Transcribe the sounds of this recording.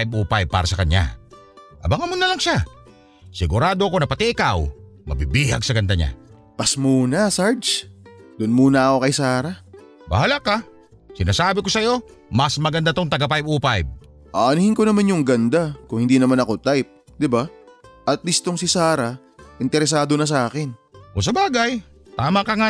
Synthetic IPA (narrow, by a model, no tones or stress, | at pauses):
jb̚upajb̚pːaːɾɐsɐkɐɲa̰ | ʔɐbaŋɐmonːɐlɐŋʃa | sɪɡʊɾaːd̪oɐko̞nɐpɐt̪ɪʔɪkaw | mɐ̰bibiːhɐɡ̚sɐɡɐnd̪aɲa̰ | pɐsmuːnɐsaɹd͡ʒd̪ʊnmuːnɐɐko̞kɐjsaːɾa | bɐhalaka | sɪnaːsaːbɪko̞sɐjo̞ | mɐsmɐɡɐnd̪at̪oŋt̪ɐɡɐpajbuːpajb̚ | ʔaʔɐnɪhɪŋkonɐmanjʊŋɡɐnd̪akʊŋhɪnd̪inɐmanɐko̞t̪ajp̚ | d̪ɪbaʔɐt̪̚list̪oŋsɪsaːɾa | ʔɪnt̪ɛɾɛs̬aːd̪onɐs̬ɐʔaːkɪnʔos̬ɐbaːɡaj | t̪aːmɐkɐŋa